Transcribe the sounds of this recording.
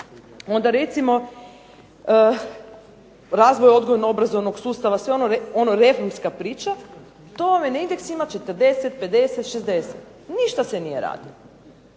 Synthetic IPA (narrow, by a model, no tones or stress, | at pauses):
o̞nd̪aɾe̞t̪simo̞ | ɾaːzʋojo̞d̪ɡo̞ʋnobɾazo̞ʋno̞ɡsuːst̪aʋasʋeonoeo̞noɾe̞fo̞ɾmskapɾiːt͡ʃa | t̪oamenaind̪eksimat͡ʃet̪əɾd̪e̞set̪̚pe̞d̪e̞set̪ʃezd̪e̞set̪ | niʃt̪asenije̞ɾa̰ːd̪ḭo